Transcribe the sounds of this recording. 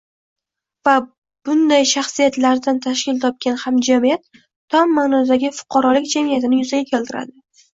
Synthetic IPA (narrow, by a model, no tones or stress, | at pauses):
va | b̥ʊnd̪ajʃaχsijat̪laɾd̪ant̪ʰaʃkʲɪlt̪ʰɒp̚kʲanhamd͡ʒamijat̪ʰː | ɒmːanɒd̪aɡʲɪfʊ̥qʰɑɾɒlɪkʲd͡ʒamijat̪ɪnɪjʊzaɡʲakʲʰelt̪ɪɾa̰d̪ɪ